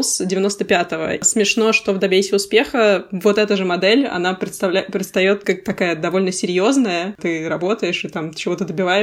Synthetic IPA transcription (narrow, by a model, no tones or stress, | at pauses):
sdʲɪvʲɪno̞st̪əpʲat̪əvə̰smʲɪʂno̞ʂt̪o̞vd̪ɐbʲesʲɪʊspʲe̞xəvo̞t̪ɛt̪əʐɨmɐd̪ɛlʲɐ̰napɾʲɪt̪st̪ɐvlʲpɾʲɪt̪st̪ɐjo̞t̪kak̚t̪ɐkajəd̪ɐvo̞lʲnəsʲɪɾʲjo̞znəjət̪ɨɾɐbo̞t̪əjɪʂɨt̪amt͡ɕɪvo̞t̪əd̪əbʲɪvajɪ